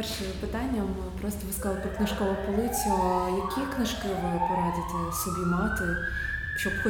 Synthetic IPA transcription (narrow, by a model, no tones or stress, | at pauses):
pɛrʃɪpɪt̪ɑnʲːɐm | pɾɔst̪ɔʋɪskɐzɑlˠɪpɾɔknɪʃkɔʋɐpɔlˠɪt͡s̪ʲʊjɐkʲʰiknɪʃkɪʋɪpɔɾɑd̪ɪt̪ɛsɔbʲimɑt̪ɪ | ʃt͡ʃɔbxɔ